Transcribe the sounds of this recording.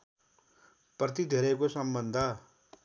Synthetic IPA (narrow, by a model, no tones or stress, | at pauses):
prʌt̪̬id̪ʱeɾekosʌmbʌnd̪ʱʌ